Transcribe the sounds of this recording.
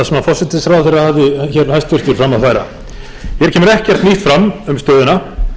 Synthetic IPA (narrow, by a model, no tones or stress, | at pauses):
asɛmafɔr̥sɛt̪ɪsɾaːwθɪɾaðhavðɪçɛɾhajst̪vʏr̥t̪vɪɾ̥fɾamːaðθaːjɾa̰ | çɛɾ̥cʰɛːmʏɾɛhcɛr̥t̪niht̪fɾamːʏmst̪œːðɪna